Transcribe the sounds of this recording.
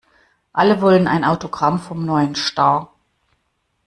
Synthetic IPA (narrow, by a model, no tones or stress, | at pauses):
ʔaləvɔləna̰ɪnʔaʊtoɡʁamfɔmnɔʏənʃtaː